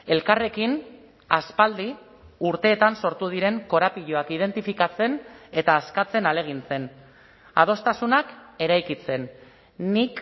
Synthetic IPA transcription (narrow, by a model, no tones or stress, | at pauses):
e̞lkare̞kin | aspald̪i | uɾt̪e̞ːt̪anso̞ɾt̪uð̞iɾe̞ŋko̞ɾapiʎo̞akið̞e̞nt̪ifikat͡se̞ne̞t̪aːskat͡se̞nale̞ɣ̞int͡se̞n | a̰ð̞o̞st̪asunake̞ɾajkit͡se̞nː | ik